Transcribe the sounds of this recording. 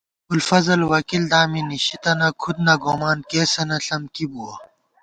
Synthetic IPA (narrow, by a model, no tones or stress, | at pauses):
ulfɐzɐlwɐkild̪aːminiɕit̪ɐnɐkʰud̪̚nɐɡoːmaːnkeːsɐnɐɬɐmkibuɐ